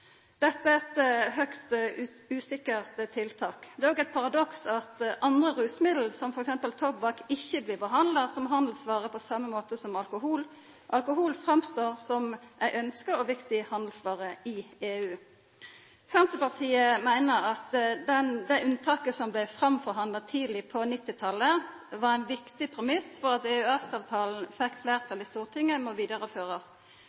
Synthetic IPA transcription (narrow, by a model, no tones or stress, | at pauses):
d̪ɛt̪ːəæɛt̪ɦœkst̪ | ʉːsɪkəʁt̪t̪ʰːɪlt̪ʰɑːkd̪ɛːoːɡæɪt̪̚pʰɑʁɑd̪ɔksɑt̪ʔɑnd̪ʁəʁʉːsmɪd̪l̩sɔmfɔɾɛksɛmpəlt̪ʰɔpbɑkɪçːəbliːʁbəɦɑnd̪lɑsɔmɦɑnd̪l̩sʋɑːʁəpʰɔsɑmːəmoːt̪əsɔmɑlkʊɦuːl | ʔɑlkʊɦuːlfɾɑmst̪oːʁsɔmʔæɪʔœnskəɾɔʋɪkt̪ɪhɑnd̪l̩sʋɑːʁəɪeːʉː | sɛnt̪əpɑʁt̪ʰiːəmæɪnəʁɑt̪d̪ɛnd̪æʉnt̪ʰɑːkəsɔmblæɪfʁɑmfɔʁɦɑnd̪ɑt̪ʰiːd̪lɪpʰɔnɪt̪ːɪt̪ʰɑlːə | ʋɑʁæɪnʋɪkt̪ɪpʰʁɛmɪsfɔʁɑt̪eːʉɛsɑːʋt̪ʰɑːln̩fɛkːfleːʁt̪ʰɑlɪst̪uːʁt̪ʰɪŋːəmɔʋiːd̪ɑʁəføːʁəs